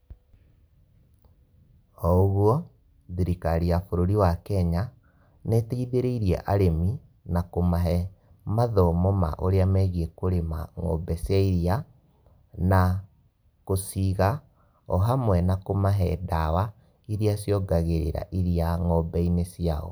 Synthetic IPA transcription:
ɔoɣwɔ | ðiɾikaɾiafoɾoɾiwakɛɲa | nɛteiðeɾeiɾjɛ̰ʔaɾemi | nakomaɦɛ | maðɔmɔma̰ʔoɾeamɛɣiɛkoɾema̰ŋɔ̰bɛsjaiɾia | na | kosiɣa | ɔɦamwɛnakomaɦɛdawa | iɾiasjɔɡaɣeɾḛɾa̰ʔiɾiaŋɔbɛinesiaɔ̰

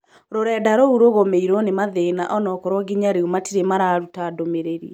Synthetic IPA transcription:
ɾoɾɛːdaɾouɾoɣomeiɾonemaðenaʔɔnɔkɔɾɔɡiɲaɾeomatiɾemaɾaːɾutadomeɾeɾḭɛ

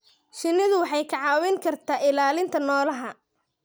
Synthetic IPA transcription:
ʃɪnːɪðʊwɑħɑjkʰɑʕɑːwɛŋkʰɐrt̪ʰaːʔɪlaːlɪnt̪ʰɐnɔːlɐɦɐ

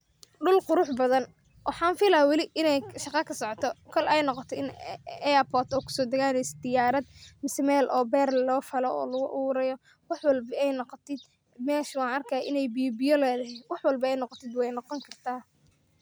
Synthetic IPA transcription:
ɖʊlqʊɾʊħbɐðɐn | wɑħɑːnfɪlɐwɑlɪʔɪnɛjʃɑqɑkʰɐsɔʕɔt̪ʰɔkʰɔlʔɛjnɔqɔt̪ʰɔɪnɛɐpʰɔːt̪ʰɔːkʰʊ̥sɔːd̪ɐɣaːnɛjsɛ̥d̪ɪjaːɾɐd̪mɪsmɛːlʔɔːbɛːrlɔːfɐlɔɔ̰ːlɐɣʊʔuːɾɐjɔ | wɑħwɑlbɐɛjnɔqɔt̪ʰɪd̪ | mɛːʃwɑːnʔɐrkʰɐjʔɪnɛjbijbɪjɔlɛːðɐɦɪwɑħwɑlbɐɛjnɔqɔt̪ʰɪd̪wɛjnɔqɔŋkʰɐrt̪ʰaː

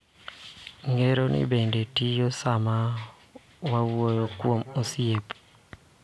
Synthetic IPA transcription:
ŋeɾonḭbendetijosama | wawojokwomosiep

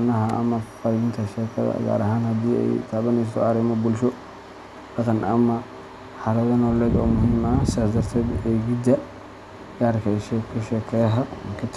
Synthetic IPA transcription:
nɐɦɐɐ̰mɐfɐɾɡɪnt̪ʰɐʃɛːkʰɐðɐ̰ɡa̰ːɾɐɦaːnhɐd̪iːɛ̰jt̪ʰaːβɐnɛs̬t̪ʰɔɐɾɪmɔbʊlʃɔ | d̥ɑqɐnɐmɐ | ħɑɾɛðɐnɔːlɛːd̪ɔːmʊɦiːmɐsɪðaːd̪ɐrt̪ʰɛːd̪eːɡɪd̪ɐ | ɡaːɾkʰɐʃɛkʰʊʃɛːkʰɛːɦɐ̰kʰɐt̪ʰ

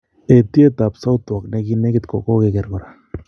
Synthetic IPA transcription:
et̪iet̪aːpsawt̪uakneɡineɡet̪kokoɣeɡeɾɣoɾa

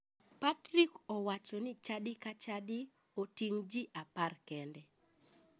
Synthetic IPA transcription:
patɾikɔwat͡ʃɔnɪt͡ʃadɪkat͡ʃadɪ | otiŋd͡ʒiʔaparkɛndɛ

